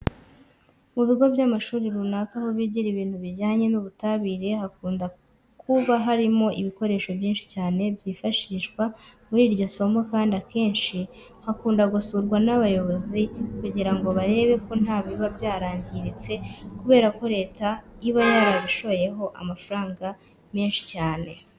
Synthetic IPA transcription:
muβiɡo̞bjamaʃuːɾiɾunakaho̞βiɟiɾiβiːnthuβiɾɟaːɲe̞nuβutaβiːɾe̞hakuːnda | kʰuβaɦaɾimo̞ʔiβiko̞ɾe̞ːʃo̞βjiːnʃi̥caːne̞bɟiːfaʃiʃɡwamuɾiːɾɟo̞so̞mɡokaːndiake̞ːnʃi | hakuːndaɡusuɾɡwanaβajo̞βo̞zikuɟiɾaŋɡo̞βaɾe̞ːβe̞ko̞n̥aːβiβabɟaːɾaːɲɟiɾit͡se̞kuβe̞ːɾako̞ɾe̞ːtʰaiβajaɾaβiʃo̞βoje̞ɦo̞ʔa̰mafaɾaːŋɡa | miːnʃi̥caːne̞

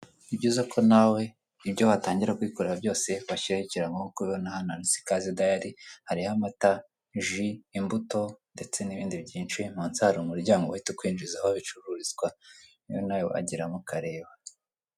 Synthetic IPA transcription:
ibɟiːzakʰo̞nawe̞ | ibɟoβataːɲɟiɾakwikoɾeɾabjo̞ːse̞βaʃiɾahiciɾaŋɡookuonahananisi̥kazidajaɾihaɾihamata | ʒiːmbuto̞nde̞t͡se̞niβiːndibɟiːnt͡ʃuim̥oːnsahaɾomuɾuɟaːŋɡoaitukwiːnd͡ʒizahoaβit͡ʃuɾuɾizɡwa | jo̰najoa̰ɟiɾamukaɾe̞ːβa

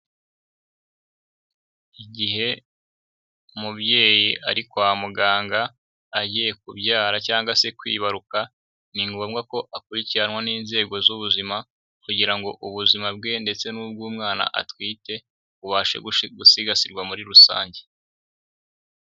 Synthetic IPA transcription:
iɟiɦe̞ | mubje̞ːjiʔaɾikwamuɡaːŋɡaː | ɟije̞kubɟaːɾacaːŋɡwase̞kwḭːβaɾuka | niŋɡomɡako̞ʔakuɾiciɾanwaniːnze̞ːɡo̞zuβuzima | kuɟiɾaŋɡo̞ʔuβuzimab̚ɡe̞nde̞t͡se̞nuːb̚ɡuːmŋaːna̰ʔa̰twiːte̞ | βuβaːʃe̞̰ɡɡusiɡasiɾɡwamuɾiɾusa̰ːɲɟe̞

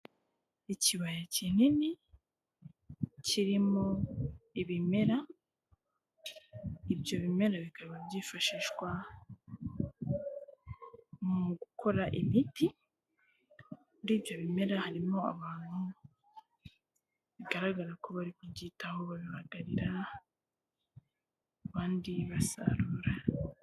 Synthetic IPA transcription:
iciβajacinini | ciɾimo̞iβime̞ɾa | ibjo̞βime̞ɾaβikaβabɟiːfaʃiːʃɡwa | muɡukʰo̞ɾaʔimiti | ɾiːβjo̞βime̞ɾahaɾimo̞a̰βaːn̥hu | βiɡaɾaɡaɾakʰo̞βaɾikwuɟiːtaho̞βaβiβaɡaɾiɾa | βaːndiβasa̰ɾuːɾa

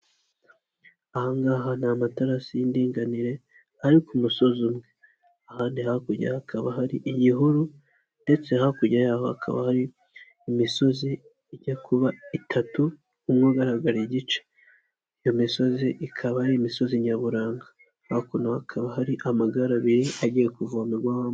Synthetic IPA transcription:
ahaŋɡaɦanamataɾasijindiːŋɡaniɾe̞ | aɾikumuso̞zumŋe | ahaːndihakuɟa̰akʰaβahaɾiʔiɟiɦuɾu | nde̞t͡se̞hakuɟajaːhoha̰kʰa̰βa̰haɾiː | miso̞zi | iɟakʰuβaitʰatu | umŋuɡaɾaɡaɾiɟit͡ʃe̥ | ijo̞miso̞ziʔikʰaβahaɾiːmiso̞ziɲaβuɾaːŋɡḁ | hakonohakʰaβahaɾiʔamaɡaɾaβiɾiʔaɟijekuvamuɡwaha

